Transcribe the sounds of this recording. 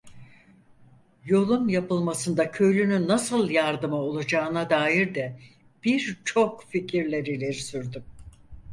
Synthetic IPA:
jo̞lˠunjapɯlˠmasɯnd̪acʰø̞jlʲynynːasɯlˠjaɾd̪ɯmao̞lˠud͡ʒaːɯnad̪aːjiɾd̪ɛ | b̥iɾt͡ʃʰo̞kficʰiɾlʲeɾilʲeɾisyɾd̪ym

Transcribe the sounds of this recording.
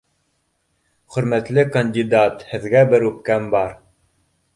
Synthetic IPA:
χɵ̆ɾmæt̪lɘkɐnʲdʲid̪at̪hɘ̆ðɡæbɘɾʉp̚kæmbɑɾ

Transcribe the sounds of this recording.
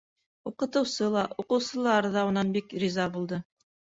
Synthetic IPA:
uqɤ̆t̪ɤ̆wsɤlˠɑʔuqɤ̆wsɤ̆lˠɑɾðɑunɑnbikɾʲizɑbulˠd̪ɤ

